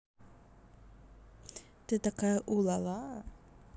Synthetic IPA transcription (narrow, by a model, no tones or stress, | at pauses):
t̪et̪akaʔulala